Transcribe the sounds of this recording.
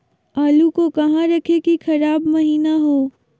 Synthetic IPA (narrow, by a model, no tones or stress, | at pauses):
aːlukokɐɦãɾɐkʰekixʰɐɾaːbmɐɦiːnaɦoː